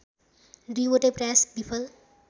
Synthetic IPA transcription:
riwoʈeprasbipʰʌl

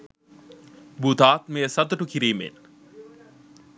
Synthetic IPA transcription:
bud̪aːt̪meːsɐt̪uʈukiɾiːmḛn

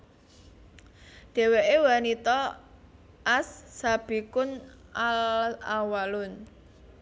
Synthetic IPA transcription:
ɖ̥ɛ̤weʔewanit̪ɔ | ʔasːab̥i̤kʊnalawalʊn

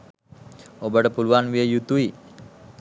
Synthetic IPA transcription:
obəʈəpuluanʋiəjut̪ui

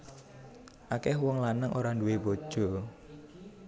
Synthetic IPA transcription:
ʔakɛɦwɔŋlanəŋʔoɾanduwebod̥ʒ̥ɔ

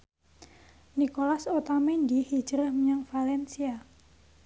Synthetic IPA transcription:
nikolasot̪amendihi̥d͡ʒɾəhmɲaŋfalɛnsia

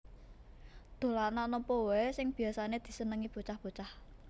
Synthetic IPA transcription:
d̪̥o̤lananɔmpɔwesɪŋb̥i̤asaned̪̥i̤sənəŋib̥o̤t͡ʃahb̥o̤t͡ʃah

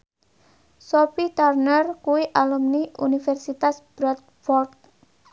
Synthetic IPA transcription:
sopit̪arnərkuwiʔalumniʔṵnifɛrsit̪asb̥ɾɔt̪̚ | fɔrd̪̚

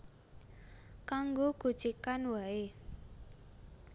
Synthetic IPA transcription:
kaŋɡoɡ̥ṳd̥t͡ʃikanwae

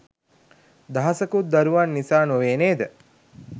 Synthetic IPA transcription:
d̪aɦɐsəkut̪̚d̪aɾuʋanːisaːnoʋeːneːd̪ə

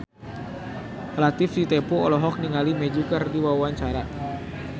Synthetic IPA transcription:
elat̪ɪfdit̪ɛpuɔlɔɦɔk̚niŋalimɛd͡ʒukərdiwawwaɲt͡ʃaɾa

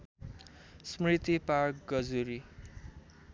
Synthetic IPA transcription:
smrit̪ipark̚ɡʌd͡zuɾi

